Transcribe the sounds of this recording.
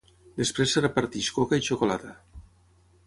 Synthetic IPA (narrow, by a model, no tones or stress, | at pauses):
d̪espɾesːerepaɾt̪iʃkokait͡ʃokolat̪a